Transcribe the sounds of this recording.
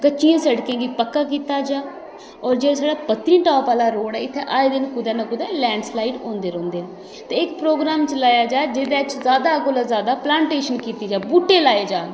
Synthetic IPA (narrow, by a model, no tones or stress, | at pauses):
kəːt͡ʃʃiːãːsəɽkẽːɡiːpəkːaːkiːt̪aːd͡ʒaː | ɔːɾd͡ʒeːsaːɖaːpət̪ɾĩːʈaːpaːlaːɾoːɽɛːɪt̪ʰːeʔaːed̪ɪnkʊd̪ɛːnəkʊd̪ɛːlɛ̃ːɳɖslaːiɖõːnd̪eːɾõːnd̪eːɛ̃ː | t̪eːɪkpɾoːɡɾaːmt͡ʃlaːjaːd͡ʒaːed͡ʒeːd̪eːt͡ʃzaːd̪aːkoːlaːzaːd̪aːplaːɳʈeːʃənkiːt̪iːd͡ʒaːbuːʈːeːlaːeːd͡ʒaː